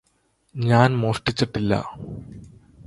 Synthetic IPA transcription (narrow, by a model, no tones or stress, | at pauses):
ɲaːnmoːsʈɨt͡ɕːɐʈːilːɐ̰ː